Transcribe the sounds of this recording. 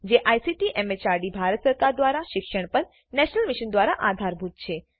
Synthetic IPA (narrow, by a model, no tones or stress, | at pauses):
d͡ʒeʔajsiʈiʔɛmet͡ʃaɾɖibʱaɾət̪səɾkaɾd̪ʋaɾaʃɪkʃəɳ̃pəɳ | nɛʃnəlmɪʃənd̪ʋaɾaʔad̪ʱaɾbʱut̪̚t͡ʃʰe